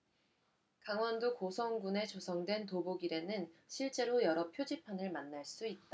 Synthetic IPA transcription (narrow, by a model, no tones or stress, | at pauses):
kaŋwʌndokosʰʌŋɡune̞t͡ɕosʰʌŋdwe̞ntoboɡiɾe̞nɯnɕʰiɭt͡ɕ͈e̞ɾojʌɾʌpʰjod͡ʑipʰanɯɭmanːaɭs͈uit̚t͈a